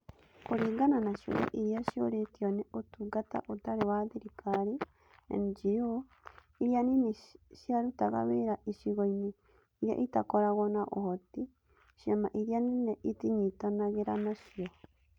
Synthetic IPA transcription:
koɾiːɡananaʃo̰ɾɛ̰ʔiɾjaʃjoɾetiɔnɛotuɡata̰ʔotaɾewaðiɾikʰaɾi | ḛnd͡ʒijo | iɾjanineʃjaɾutaɣa̰βeɾaʔiʃiɣoine | iɾja̰ʔitakɔɾaɣɔnaʔo̰hɔti | ʃɛmaʔiɾianineʔitiɲitanaɣeɾanaʃiɔ

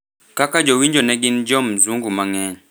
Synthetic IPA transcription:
kakad͡ʒɔwiɲd͡ʒɔnɛɡind͡ʒɔm̩zuŋɡumaŋɛn

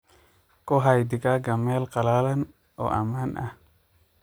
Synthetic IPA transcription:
kɔɦajd̪ɪkaɡɐmɛːlqɑlaːlɐn | ʔɔ̰ːʔɐ̰maːnʔa̰

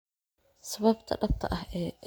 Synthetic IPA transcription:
sɐβɐbt̪ʰɐ̰ɗɐb̚t̪ʰɐ̰ʔɐhɛːʔɛ

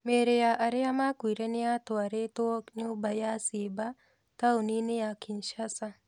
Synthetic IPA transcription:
meːɾejaːʔɐɾeamaːkuɾenijaːt̪oɐɾet̪oknewbɐjaːseːba | t̪awninejakinʃasa

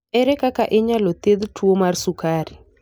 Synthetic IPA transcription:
ɛɾɛkakaʔeɲalɔt̪eðtʰuomarsukaɾi

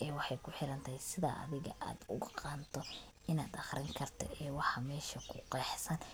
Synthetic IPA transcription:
ɛːwɑħɑjkʰʊħɪɾɐnt̪ʰɐhjsɪðɐ̰ʔɐ̰ðɪɣɐʔa̰ːd̪ʊɣqɑːnt̪ʰɔ | ɪnaːd̪ɑχrɪŋkʰɐrt̪ʰɔ̰ʔɛːwɑħɑmɛːʃɐkʰʊqɛːħsɐn

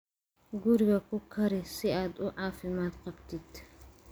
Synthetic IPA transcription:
ɡʊɾɡɐkʊkʰːɐɾɪsɪʔad̪ʊʕaːfɪmaːt̪qɐbt̪ɪt̪ː

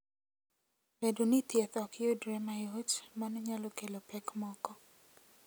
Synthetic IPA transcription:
edonit̪jɛt̪ɔkjodɾemajot͡ʃmanɔɲalɔkelopɛkmɔkɔ

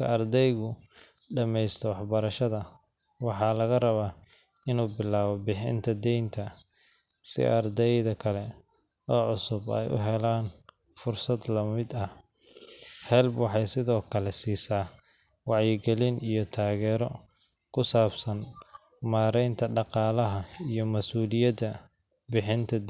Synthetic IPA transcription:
kʰɐrd̪ɛjɣʊɖɐmɛjst̪ʰɔwɑħbɐɾɐʃɐðɐ | wɑħɑːlɐɣɐrɐβaː | ɪnuːbɪlaːβɔbɪħɪ̰nt̪ʰɐd̪ɛjnt̪ʰɐ | sɪ̰ʔɐrd̪ɛjðɐkʰɐlɛ | ɔːʕʊsʊbɛ̰jʔʊ̰ɦɛlaːn | fʊrsɐd̪lɐmɪd̪ɐh | hɛlbwɑħɑjsɪðɔːkʰɐlɛsiːsaː | wɑʕjɪɡɛlɪnijɔt̪ʰaːɣɛːɾɔ | kʰʊsaːbsɐn | maːɾɛjnt̪ʰɐɖɑqɑːlɐɦɐijɔmɐsuːlɪjɐd̪ɐ | bɪħɪnt̪ʰɐd̪

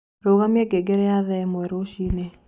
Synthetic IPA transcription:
ɾoɣameɡeɡeɾɛjaðɛmwɛɾoʃine

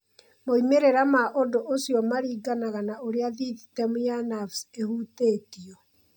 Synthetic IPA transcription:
moimeɾeɾamaʔodoʔosijɔmaɾiːɡanaɣanaoɾeaðiðitɛmujanafsehuteːtiɔ

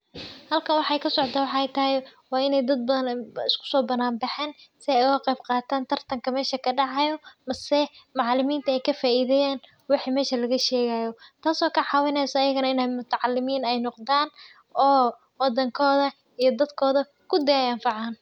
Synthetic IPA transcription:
hɐlkʰɐwɑħɛjkʰɐsɔʕt̪ɐwɑħɑɛjt̪ʰɐɦɪjwɑːɪnɛjd̪ɐd̪̚bɐðɐnɪskʰʊ̥sɔːbɐnaːmbɪħɛːnsɪɛʊɐqɛjbqɑːt̪ʰaːnt̪ʰɐrt̪ʰɐŋkʰɐmɛːʃɐkʰɐɖɑʕɑjɔmɐsɛmɑʕɑlɪmiːnt̪ʰɐɛjkʰɐfaːʔiːðɛjaːn | wɑħiːmɛːʃɐlɐɣɐʃɛːɣaːjɔt̪ʰaːsɔːkʰɐʕɑːwɪnɛjsɐːjɐɣɐnɐɪnɛjmʊt̪ʰɐʕɑlːɪmiːnɛjnɔqd̪aːn | ɔː | wɑd̪ɐŋkʰɔːðɐ | ijɞd̪ɐd̪kʰɔːðɐ | kʰʊd̪ɛɛjɐɱfɑʕɑːn

